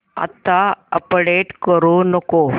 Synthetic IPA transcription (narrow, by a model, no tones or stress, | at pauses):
a̰t̪ːaəpɽeʈkəɾunəko